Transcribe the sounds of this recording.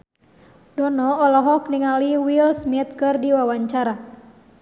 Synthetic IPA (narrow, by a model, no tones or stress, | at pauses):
dɔnɔːlɔɦɔkniŋaliwilsmit̪̚kɨrdiwawaɲt͡ʃaɾa